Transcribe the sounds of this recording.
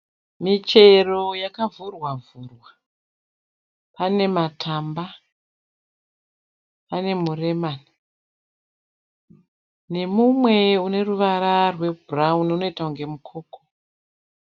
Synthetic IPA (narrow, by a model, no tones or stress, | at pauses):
mit͡ʃe̞ro̞jakavurwavurwa | pane̞matʰamba | pane̞mure̞mani | ne̞mumwe̞une̞ruʋaɾarwe̞buraununo̞itauŋɡe̞mukʰo̞ːko